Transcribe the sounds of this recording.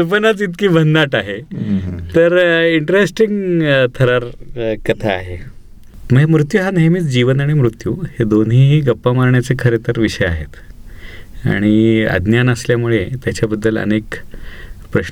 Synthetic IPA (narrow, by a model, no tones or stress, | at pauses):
əpənat͡sit̪kiːbʱəndaʈaɦe | t̪əɾiɳʈɾesʈiŋɡt̪ʰəɾaɾkət̪ʰaːɦe | məɡmɾut̪juɦaneɦmiːt͡sd͡ʑiʋənaɽ̃imɾut̪juhed̪onɦiːɡəpːamaɾɳjat͡sekʰəɾet̪əɾʋiʂəjaɦet̪ | a̰ɽ̃iə̰d̪njanəsljamuɭet̪jat͡ɕjabəd̪ːələ̰nek | pɾəɕ